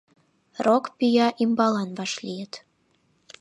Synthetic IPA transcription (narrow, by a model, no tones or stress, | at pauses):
rokpyjɑʔimbɑlɑnβɑʃlʲijət̪